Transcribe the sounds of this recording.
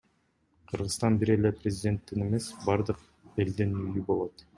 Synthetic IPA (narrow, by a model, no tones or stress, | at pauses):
qʰɯɾʁɯst̪ɑnbiɾele̞prʲɪzʲɪdʲe̞nt̪ːine̞me̞sbɑɾd̪ɯq | e̞ld̪inyjybo̞lˠo̞t̪